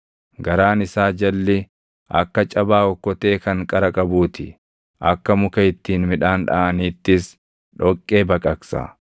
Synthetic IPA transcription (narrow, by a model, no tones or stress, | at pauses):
ɡɐɾaːnɪsaːd͡ʒɐlːɪ | ʔɐ̰kːɐt͡ʃʼɐbaːɔkːɔt̪eːkɐŋkʼɐɾɐkʼɐbuːt̪ʰɪ̰ | ʔɐkːɐmʊkɐɪt̪ːiːnmɪᶑaːnᶑa̰ʔɐniːt̪ːɪs | ᶑɔkʼːe̞ːbɐkʼɐksa̰